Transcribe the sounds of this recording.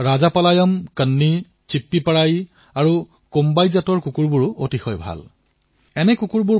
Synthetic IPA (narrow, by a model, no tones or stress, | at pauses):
ɹazapalajɔmkənːi | t͡ʃipːipaɹaj | aɹu | kombajzatɔɹkukuɹbuɹʊʔotixɔjbʱa̰l | ɛnɛkukuɹbu